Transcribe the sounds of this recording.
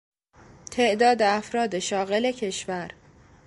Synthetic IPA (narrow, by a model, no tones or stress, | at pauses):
t̪ʰe̞ʔd̪ɒːd̪e̞æfɾɒːd̪e̞ʃɒːɣe̞le̞cʰe̞ʃvæɾ